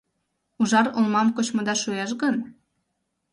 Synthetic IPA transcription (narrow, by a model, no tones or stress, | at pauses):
uʒɑɾolmɑmkot͡ɕmŏd̪ɑʃueʃ̬ɣən